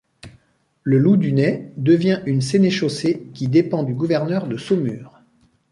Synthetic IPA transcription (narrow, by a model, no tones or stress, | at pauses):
ləlud̪ynɛd̪əvjɛ̃ʔynseneʃosekʲid̪epɑ̃d̪yɡuvɛʁnœʁd̪əsomyːʁ